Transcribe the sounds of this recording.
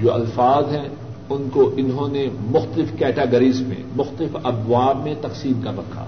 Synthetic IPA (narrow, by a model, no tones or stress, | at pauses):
d͡ʒoːɐ̰lfaːzɦɛ̃ | ʊnkoʔɪnɦõnemʊxt̪əlɪfkɛːʈaːɡəɾiːzmḛ̃mʊxt̪əlɪfɐbwaːbmẽt̪ɐqsiːmkabɐkʰa̰ː